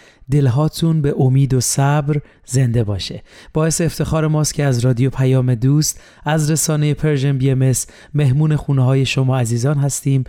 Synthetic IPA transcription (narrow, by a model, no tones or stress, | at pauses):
d̪e̞lɦɒːt̪ʰunbeʔomiːd̪osæbɾ | ze̞nd̪e̞bɒːʃḛb̥ɒːe̞seːft̪ʰe̞xɒːɾe̞mɒːst̪cʰeæzɾɒːd̪ijopʰæjɒːme̞d̪uːst̪ | æzɾesɒːneje̞pʰeɾʒembiemes | me̞ɦmuːne̞xuːneɦɒːje̞ʃo̞mɒːæziːzɒːnɦæst̪iːm